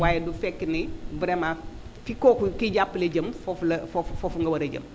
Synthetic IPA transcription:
waːjɛdufɛkːinibuɾema | fikɔːkukiɟapːlɐɟɐmfɔflɐfɔffɔfuŋɡɐwɐɾɐɟɐ̰m

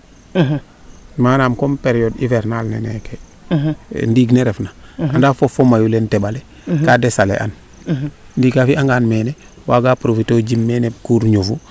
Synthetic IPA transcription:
manaːmkɔmpeɾjɔdḭvɛɾnalnɛ̰nɛke | ndiːɡneɾɛfnaandafofomajulentɛbale | kadɛsalḛʔa̰n | ndiːɡafiʔaŋɡaːnmɛːne | waːɡapɾofitoːd͡ʒimːɛːnekuːɾɲufu

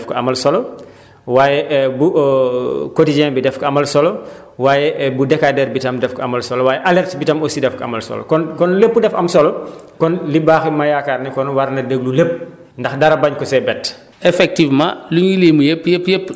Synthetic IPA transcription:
fkɔɐmɐlsɔlɔ | waːjɛʔbu | kotid͡ʒɛ̃nbidɛfkɔɐmɐlsɔlɔ | waːjɛbudɛkadɛɾbitɐmdɛfkɔɐmɐlsɔlɔwaːjɛʔalɛrtbitɐmosidɛfkɔɐ̰mɐlsɔ̰lɔ̰kɔnkɔnlepːudɛfɐmsɔlɔkɔnlibaːximajakarnikɔnwɐɾnɐdəɡlulep̚ː | ndɐxdɐɾɐbɐɲkɔsɛbɛt | ɛfɛk̚tivmã̰luɲulimujepːjepːjepː

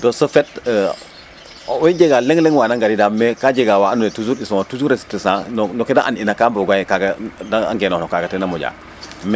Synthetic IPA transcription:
dosofɛt̚ː | wod͡ʒeɡalɛŋlɛŋwanaŋɡadidamekad͡ʒeɡawaanuetuzuɾisoŋatuzuɾesi̥tisãnnɔkedaʔaninakamboɡajkaɡadaa̰ŋɡenɔnɔkaɡatɛnamoɟa̰ | m

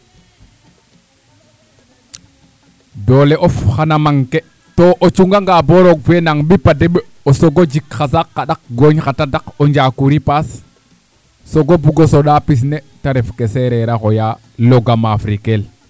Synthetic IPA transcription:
doleʔofxanamaŋke | toʔot͡ʃuŋɡaŋɡaboɾoɡ̚fenaŋɓipadeɓe | osoɡod͡ʒikxasakːaɗak̚ɡoɲxatadakoɲd͡ʒakuɾipas | oɡobuɡosoɗapis̬ne | taɾefkeseɾeɾaxoja | loɡamafɾikel

